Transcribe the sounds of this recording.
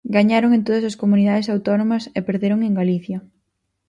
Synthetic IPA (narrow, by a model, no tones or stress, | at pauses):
ɡaɲaɾoŋẽnt̪oðɐsɐskomunið̞aðesawt̪ɔnomɐsepeɾðeɾoŋeŋɡaliθjɐ